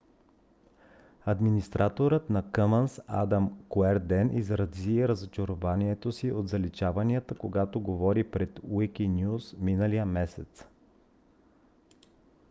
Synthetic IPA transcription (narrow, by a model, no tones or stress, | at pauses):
ɐd̪minist̪ɾʔat̪oɾət̪nɐkəmənsad̪amkoɛɾd̪ɛnʔizɾɐziɛɾəzot͡ʃəɾovaniɛt̪osiʔod̪zɐlit͡ʃavɐniət̪əkoɡat̪oɡovɔɾipɾɛt̪wikinʲjusminəlijəmɛsɛt̪s